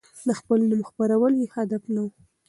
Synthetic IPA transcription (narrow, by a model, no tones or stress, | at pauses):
ləxpəlnəməxpaɾawəljehad̪afnawu